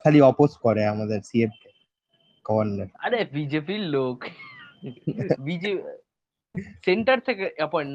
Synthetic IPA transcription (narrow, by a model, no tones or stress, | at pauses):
kʰaliɔposkɔɾeamad̪eɾsieb̚ | kɔʋənnəɾaɾebid͡ʒepilːok | bid͡ʒe | seɳʈəɾt̪ʰekeapɔ̃ɳ